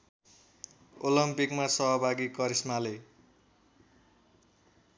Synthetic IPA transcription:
olʌmpikmasʌɦʌbʱaɡikʌɾismale

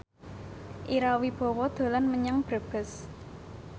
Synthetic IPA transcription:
ʔiɾawib̥ɔ̤wɔd̪̥o̤lanməɲaŋb̥ɾə̤b̥ə̤s

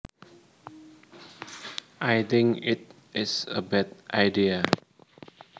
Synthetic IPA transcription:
ʔajt̪ɪ̃ŋkɪt̚ | ɪsəbɛt̚ʔajdia

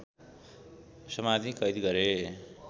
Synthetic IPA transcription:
sʌmad̪ʱikʌjd̪iɡʌɾe

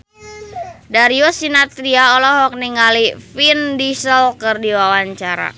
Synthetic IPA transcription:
daɾiosinat̪ɾiaɔlɔɦɔk̚niŋalifindisəlkɨrdiwawaɲt͡ʃaɾa̰

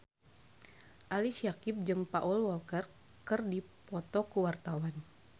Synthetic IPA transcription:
ʔalisiakip̚d͡ʒɨŋpaʔulwɔlkɛr | kɨrdipɔt̪ɔkuwart̪awan

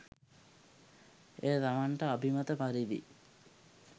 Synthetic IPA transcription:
eːt̪amaɳʈəabʱimat̪əpaɾid̪ḭ

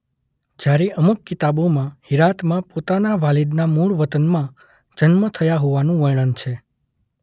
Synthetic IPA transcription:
d͡ʒjaɾiʔəmukːit̪abomãhiɾat̪mãpot̪anaʋalid̪namuɭʋət̪ənmã | d͡ʒənmət̪ʰəjaɦoʋanũʋəjɳ̃ənt͡ʃʰe

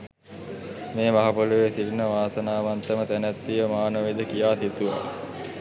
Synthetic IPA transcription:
meːmaɦapoluʋesilnəʋaːsənaːʋant̪əmət̪ænæt̪ːijəmaːnəʋed̪əkijaːsit̪uʋa̰

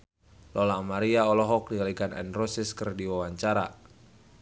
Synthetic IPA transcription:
lɔlamaɾiaɔlɔɦɔk̚dialiɡanɛ̰nrɔsɪskərdiwawaɲt͡ʃaɾa

